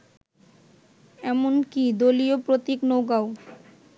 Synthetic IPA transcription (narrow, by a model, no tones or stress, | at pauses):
ɛmonkid̪oliopɾot̪iknoɡao